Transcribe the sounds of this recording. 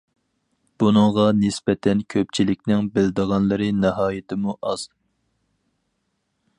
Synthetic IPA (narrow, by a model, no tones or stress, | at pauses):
b̥unɨŋʁɑnɪspɛt̪ʰɛnkʲʰøp̚t͡ʃʰilɪkʲnɪŋbɪld̪əʁɑnlˠɨɾɨnəɦɑːjɪt̪ʰɪmuʔɑz̥